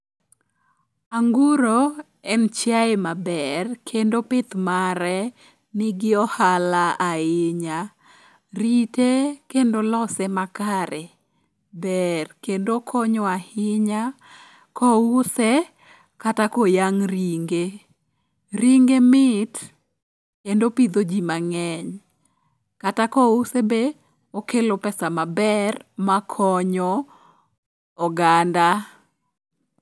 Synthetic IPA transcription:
aŋɡuɾo | ɛnt͡ʃjaemabɛrkʰendopɪt̪maɾɛ | nɪɡɪɔhalaaɪɲa | ɾitekendolɔsɛmakaɾɛ | bɛrkendokʰɔɲɔahɪɲa | kɔusɛ | katakɔjaŋriŋɡe | ɾiŋɡemɪt | kendopid̪od͡ʒimaŋɛɲ | katakɔusebe | ɔkelopɛsamabɛrmakʰɔɲɔ | ɡanda

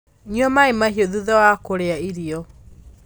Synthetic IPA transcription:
ɲiɔmaemaɦiɔðuðɔwakoɾeaiɾiɔ

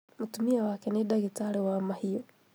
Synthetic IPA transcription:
mutumiawakɛniɗaɣitaliwaːmahijɔ

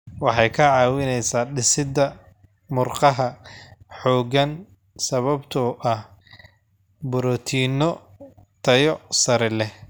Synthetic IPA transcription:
wɑħɑjkʰɐʕɑːwɪnɛjsaːɖɪsɪd̪ɐ | mʊrqɑɦɐħɔːɡɐn | sɐβɐbt̪ʰɔʔɐh | bʊɾɔːt̪ʰiːnɔ | t̪ʰɐjɔsɐɾɛlɛh

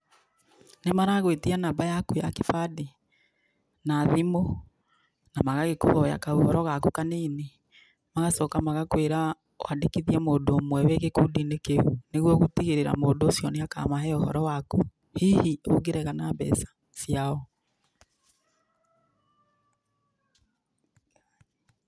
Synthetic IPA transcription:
nemaɾaɣwetianambajakuja̰kefadi | naðimo | namaɣaɣeko̰hɔja̰kaohɔɾɔɣakukaneːne | maɣasɔkamaɣakweɾa | w̰andekiðiɛmoːdoːmwɛweɣekudinekeuneɣwɔɣutiɣeɾeɾa̰moːndoːsjɔneaka̰maɦɛohɔ̰ɾɔwaku | hiːhioɡeɾɛɣanabɛ̰sḁ | siaɔ

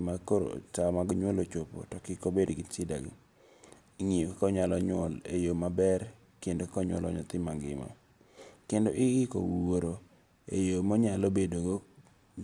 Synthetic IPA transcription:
makoɾo̰tamaɡɲwolot͡ʃopo̰tɔkɪkobedɡiɪt͡ʃɪda̰ɡḭ | ŋikkɔɲalɔɲɔlḛjomabɛr | kendokɔɲwɔ̰lɔ̰ɲɔ̰t̪ɪmaŋɡɪ̰ma̰ | kendoʔɪɪko̰woɾo | ejomɔɲalobedoɡo

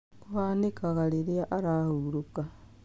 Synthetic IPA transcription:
uwanikaɣaliɾiaʔaɾahuɾuka

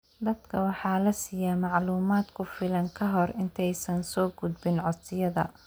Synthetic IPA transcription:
d̪ɐd̪kʰɐwɑħɑːlɐsɪjaːmɑʕluːmaːd̪kʰʊfɪlɐŋkʰɐɦɔrɪnt̪ʰɛjsɐnsɔːɡʊd̪bɪnʕɔsɪjɐðɐ̰

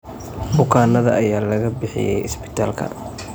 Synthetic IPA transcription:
d̪ʊkʰaːnːɐðɐʔɐjaːlɐɣɐbɪħɪ̰jɛ̰jɪsbɪ̥t̪ʰa̰ːlkʰɐ̰

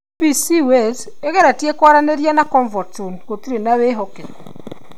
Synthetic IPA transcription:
pisiwes | eɣɛɾatjekɔɾaneɾjanakɔɱvɔtunɣotiɾenaweɦɔkekɔ

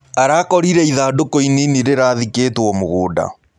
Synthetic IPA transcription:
aɾaːkɔɾiɾɛiðaːdokoininiɾeɾaðikeːtwɔmoɣoːda̰

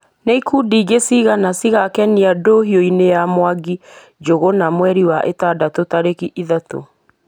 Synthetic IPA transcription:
neikudiːɡesiɣanasiɣakɛniadoɦioinejamwaɡi | d͡ʒoɣonamwɛɾiwaʔetadatotaɾekiʔiðato̰

